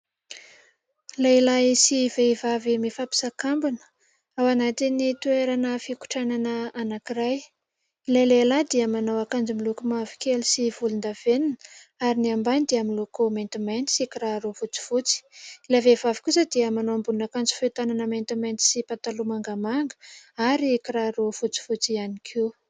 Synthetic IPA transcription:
lailasiveivavimifapi̥sakambunə̥ | awanat̪init̪ueɾanəfiku̥ʈ͡ʂananəanakiɾaj | lelelad̪iəmanowakand͡ʒimilukumavi̥kʲelisivulund̪av̥eninə | aɾiniambanid̪iaminlokoment̪imajnt̪i̥sikiɾaɾovut͡si̥vut͡si̥lavevavi̥kusəd̪iəmanoambunakand͡zi̥fet̪ananəment̪imejnt̪i̥sipat̪alumaŋɡamaŋɡə̥aɾikiɾaɾofut͡si̥fut͡sianikʰiw

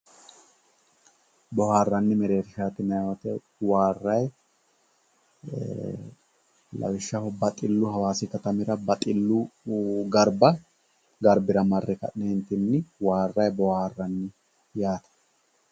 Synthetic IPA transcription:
bɔhaːrːɐnːɪmɛɾe̞ːɾɪʃaːt̪ɪnɐjwɔt̪ɛ | waːrːɐj | lɐ̰wɪʃːɐhɔbɐt̪ʼɪlːʊhɐwaːsɪkɐt̪ɐmɪɾɐbɐt̪ʼɪlːʊɡɐɾbɐ | ɡɐɾbɪɾɐmɐrːɛkɐ̰ᶑneːnt̪ɪnːɪwaːrːɐjbɔhaːrːɐnːɪ | jaːt̪ɐ̥

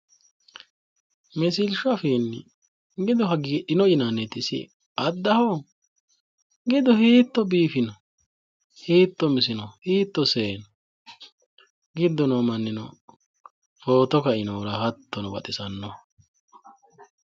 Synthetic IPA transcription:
mɪsɪlʃɔɐfiːnːɪ | ɡɪd̪ɔɦɐɡiᶑɪnɔʔɪnanɛt̪ːɪsɪ̰ | ɐd̪ːɐhɔ | ɡɪd̪ɔhiːt̪ːɔbiːfɪnɔ | hiːt̪ːɔmɪsɪnɔhiːt̪ːɔseːnɔ | ɡɪd̪ːɔnɔmɐnːɪnɔ̰ | fo̞ːt̪ɔkɐɪnɔɾɐhɐt̪ʰːɔnɔbɐ̰t̪ʼɪsɐnːɔ

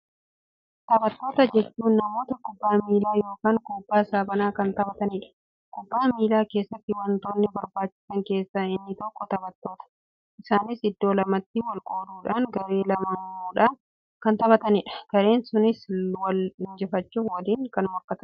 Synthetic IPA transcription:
t̪ɐbɐt̪ːo̞ːt̪ɐd͡ʒɛt͡ʃːuːnːɐmo̞ːt̪ɐkʊbːaːmiːlaːjo̞ːkaːŋkuːbːaːsaːbɐnaːkɐnt̪ɐbɐt̪ɐniːᶑɐ̥ | kʊbːaːmiːlaːke̞ːsːɐt̪ːɪwɐnt̪oːnːɪbɐɾbaːt͡ʃːɪ̥sɐŋke̞ːsːaɪnːɪt̪ɔkːɔt̪ɐbɐt̪ːo̞ːt̪ɐ̥ | ʔɪsaːnɪsɪd̪ːo̞ːlɐmɐt̪ːɪwɐlkʼo̞ːɾuːᶑaːŋɡɐɾe̞ːlɐmɐnmuːᶑaː | kɐnt̪ɐβɐt̪ɐniːᶑɐ̥ɡ̥ɐɾe̞ːnsʊnɪswɐlɪnd͡ʒɛfɐt͡ʃːuwɐliːŋkɐnʊmɐkːɐt̪ɐ

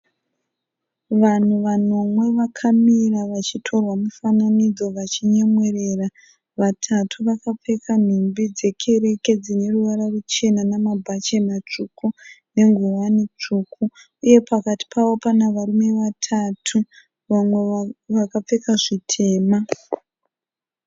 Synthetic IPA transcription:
ʋan̤uʋano̞mwe̞ʋakʰamiraʋat͡ʃitʰo̞rwamufananid͡zo̞ʋat͡ʃiɲemwe̞re̞ra | ʋatʰatʰuʋakap͡fe̞kʰan̤umbid͡ze̞kʰe̞ɾe̞ke̞d͡zine̞ruʋaɾarut͡ʃe̞nanamabʱat͡ʃemat͡ʂukune̞ŋɡuwanet͡ʂuːkʰu | uje̞pʰakati̥pʰaʋo̞panaʋaɾume̞ʋatʰatʰu | ʋamwe̞ʋakap͡fe̞kaʐitʰe̞ːma

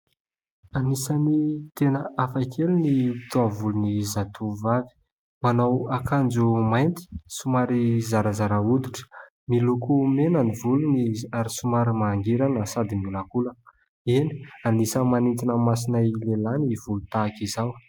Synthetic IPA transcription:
anisanit̪enəafakʰeliniit̪oavulunizat̪ʰuvavi̥ | manawakand͡zumajnt̪i̥sumaɾizaɾazaɾaud̪iʈ͡ʂə̥ | milukumenanivuluniaɾisumaɾimaŋɡiɾanəsad̪imiulakulə | eni̥anisəmanint̪inəmas̬inajlelaniv̥ulut̪akizaw

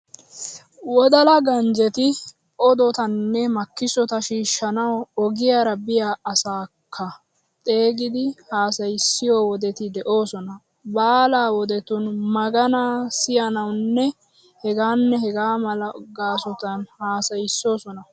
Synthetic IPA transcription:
wɔd̪ɐlɐɡɐnd͡ʒɛt̪ɪ | ɔd̪ɔt̪ɐnːɛmɐkːɪsɔt̪ɐʃiːʃːɐnɐwɔɡɪjaːɾɐbɪjaːɐsaːkʰːɐ | t̪ʼe̞ːɡɪd̪ɪhaːsɐjɪsːɪjoːwɔd̪ɛt̪ɪd̪ɛʔo̞ːsɔnɐ | baːlaːwɔd̪ɛt̪ʊnmɐɡɐnaːsɪjɐnɐwnːɛ | hɛɡaːnːɛɦɛɡaːmɐlɐɡaːsɔt̪ɐnhaːsɐjɪsːo̞ːsɔnɐ

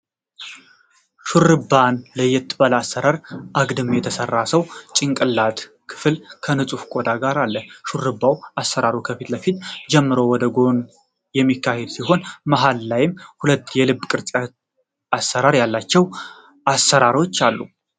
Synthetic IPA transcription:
ʃurɨbanləjɛt̪ʰːɨbalasːəɾaɾʔaɡd̪ɨmjɛt̪ʰəsərːasəwt͡ʃʼɪŋkʼɨlːat̪ | kʰɨ̥fɨlkʰənɨsʼufkʷʼo̞d̪aɡaɾalːəʃuɾɨbːawasːəɾaɾokʰəfit̪ləfit̪d͡ʒɛmːɨɾo̞wɔd̪əɡo̞n | jɛmːikːahed̪siɦo̞nmaɦalːajɪmhulət̪ːjɛlɨbːkʼɨɾt͡ʃʼa | asːəɾaɾjalːat͡ʃːɛw | ʔasːəɾaɾo̞t͡ʃːalːṵ

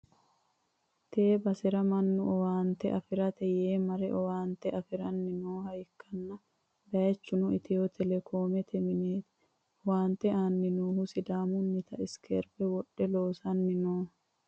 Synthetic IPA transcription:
t̪eːbɐsɛɾɐmɐnːʊɔwaːnt̪ɛʔɐfɪɾɐt̪ɛjeːmɐɾɛ̰ʔɔwaːnt̪ɛʔɐfɪɾɐnːɪnoːhɐjkːɐnːɐ | d̪ɐjɐt͡ʃːʊnʊɪt̪ʰɛjɔt̪ʰɛlɛkʰo̞ːmɛt̪ʰɛmɪneːt̪ | ɔwaːnt̪ɛaːnːɪnuːhusɪd̪aːmʊnːɪt̪ɐɪskʰḛːɾbɛwɔᶑɛloːsɐnːɪnoː

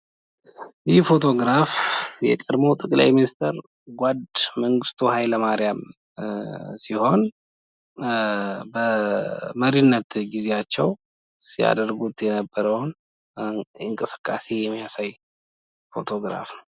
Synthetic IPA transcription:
jɪhfo̞t̪ʰo̞ɡɾafjɛ̰kʼəd̪mowt̪ʼəkʼla̰jminist̪ʰəɾ | ɡʷad̪məŋɡɨst̪ʼʰuhajləmaɾjam | siho̞n | bəməɾinːət̪ɡize̞jat͡ʃːɛw | sija̰d̪əɾɡut̪jɛnəbːəɾəwn | ɨŋkʼɨsɨ̥kʼːase̞jɛmːijasaj | fo̞̰t̪ʰo̞ɡɾa̰fnəw

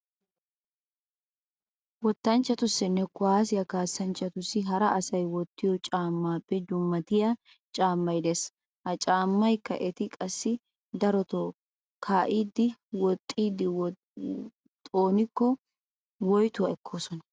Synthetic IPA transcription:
wɔt̪ːɐnt͡ʃːɐt̪ʊsːɪnːɛkʊaːsɪjɐkaːsːɐnt͡ʃːɐt̪ʊsːɪɦɐɾɐɐsɐjwɔt̪ːɪjɔt͡ʃʼaːmːaːpːɛd͡ʒʊmːɐt̪ɪja | t͡ʃʼaːmːɐjd̪eːs | hɐt͡ʃʼaːmːɐjkːɐ̰ʔɛt̪ɪkʼɐsːɪ | d̪ɐɾɔt̪o | kʰaːʔiːd̪ːɪwɔt̪ʼːiːd̪ːɪ | t̪ʼoːnɪkːɔ | wɔjt̪ʊɐɛkʰːo̞ːsɔnɐ

